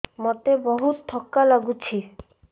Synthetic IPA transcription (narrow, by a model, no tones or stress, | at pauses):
mɔt̪ebɔɦut̪d̪ʱɔkːalaɡut͡ɕʰi